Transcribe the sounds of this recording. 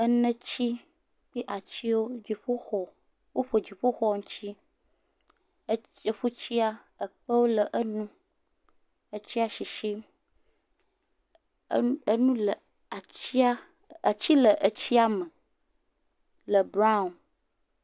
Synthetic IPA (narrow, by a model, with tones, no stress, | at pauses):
ə˦nə̃˦t͡ɕi˦ | k͡pi˦ʔa˨t͡ɕi˦wo˦d͡ʑi˨ɸo˦xɔ˨ | wo˦ɸo˨d͡ʑi˨ɸo˦xɔ˦ŋũ˦t͡ɕi˦ | e˨ɸu˦t͡ɕi˦a˦ | ə˨ɸə˦wo˦lə˨ʔə˦nũ˦ | ə˦t͡ɕi˦a˦ʃi˨ʃi˦ | ə˦nũ˦lə˨ | a˨t͡ɕi˦a˦ | a˨t͡ɕi˦lə˨ʔə˦t͡ɕi˦a˦mə̃˨ | lə˨bɾa˦˨n